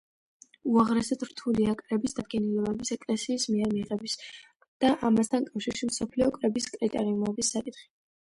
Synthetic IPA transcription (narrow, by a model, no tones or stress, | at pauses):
uaʁɾɛsɛt̪ʰɾt̪ʰuliakʼɾɛbisd̪ad̪̚ɡɛniɛlɛbisɛkʼlɛsiːsmiɛɾmiʁɛbis | d̪̥aʔamast̪ʰankʼafʃiɾʃimsɔpʰliɔkʼɾɛbiskʼɾit̪ʼɛɾiumɛbisːakʼit̪χi̥